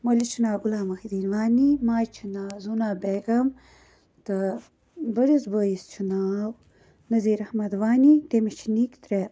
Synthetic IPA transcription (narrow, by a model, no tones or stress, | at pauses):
mɐlit͡ʃʰinaːɡulaːmɐxid̪iːnwaːnimaːt͡ʃʰinaːzunaːbeɡɐm | t̪ɐ | bɐɾisbəːjist͡ʃʰunaːw | nɐziːɾɐhmɐd̪waːnit̪emet͡ʃʰinikt̪ɾe